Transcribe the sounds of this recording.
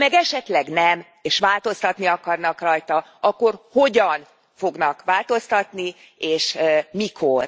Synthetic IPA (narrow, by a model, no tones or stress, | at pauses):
mɛɡɛʃɛt̪lɛɡnɛm | eːʃʋaːlt̪o̞st̪ɒt̪niɒkɒrnɒkrɒjt̪ɒɒkːo̞rho̞ɟɒn | fo̞ɡnɒkʋaːlt̪o̞st̪ɒt̪ni | eːʃmikʰo̞r